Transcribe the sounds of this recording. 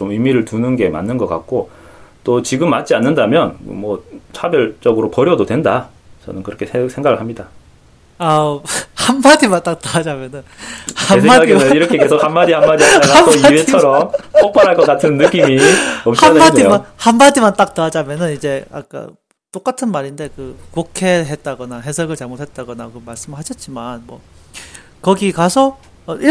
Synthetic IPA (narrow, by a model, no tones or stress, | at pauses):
t͡ɕomɯjmiɾɯɭtunɯnɡe̞ma̰nːɯnɡʌk͈a̰k̚k͈ot͈ot͡ɕiɡɯmːat̚t͡ɕ͈ianːɯndamjʌnɯ̰mwʌt͡ɕʰabjʌɭt͡ɕ͈ʌɡɯɾopʌɾjʌdodwe̞nda | t͡ɕʌnɯnkɯɾʌkʰesʰesʰe̞ŋɡaɡɯɭhamɲida | ahanmadimant͈ak̚t͈aad͡ʑamjʌnɯnhasʰeaɡaɡeɯiɾʌkʰe̞kesʰokhamːadihammːadiaaakʰoiet͡ɕʰʌɾʌmpopʰaɾɦaɭk͈ʌk͈atʰɯnːɯk͈imiʌmhamːadimanhammadimant͈ak̚t͈ɯad͡ʑamjʌnɯnid͡ʑe̞a̰k͈a̰ | t͈ok͈atʰɯnmaɾinde̞kɯkokʰeɦe̞t̚t͈aɡʌnaɦe̞sʰʌɡɯɭt͡ɕaɭmotʰhe̞t̚t͈aɡʌnakɯʌmaɭs͈ɯmɯɭhaɕʰʌt̚t͡ɕ͈imanmwʌ̰ | kʌɡikasʰʌ | ʌʔi